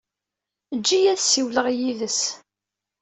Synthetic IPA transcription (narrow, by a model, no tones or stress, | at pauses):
d͡ʒːijæðsiwləʁjiðəs